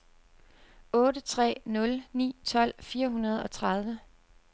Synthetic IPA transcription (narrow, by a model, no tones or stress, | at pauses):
ɔ̽ːɾət͡sʰʁɛ̰ːnɔ̽lnḭːt͡sʰɒ̽l̰fiːɐɦunɐð̞ˠɒ̽t͡sʰʁɑð̞ˠʋə